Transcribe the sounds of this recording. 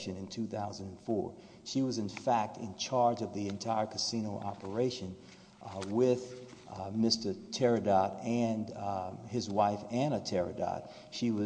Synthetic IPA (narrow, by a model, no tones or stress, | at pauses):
ʃɨ̃nɨ̃ntʰʉθaʊz̃n̩d̃n̩fɔ̰ɹ | ʃiwʌzɨ̃nfæk̚tʰɨ̰̃nt͡ʃʰɑɹd͡ʒʌvðiɨ̃ntʰaɪə˞kʰɨsĩñoʊʔɑ̰pə˞eɪʃɨ̃n | wɪð̥mɪstə˞tʰɛɹɨdɑɾɨ̃n | ɪzwaɪfɨ̃nɨtʰɛɹɨ̰dɑ̰t̚ | ʃiwʌ